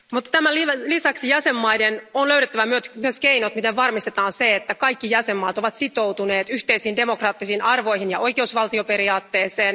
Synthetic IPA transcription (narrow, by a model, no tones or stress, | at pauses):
mut̪ːt̪æmælilisɑksijæsemːɑidenonløyɥɾet̪ːæʋæmyøt̪myøskeinot̪mit̪eʋʋɑrmist̪et̪ɑːnseet̪ːækɑikːijæsemːɑːt̪o̞ʋɑt̪sit̪owt̪une̞ːt̪yht̪eisiːndemo̞krɑːt̪ːisiːnɑrʋo̞jhinjɑo̞jke̞usʋɑlt̪iope̞ɾiɑːt̪ːeːseːn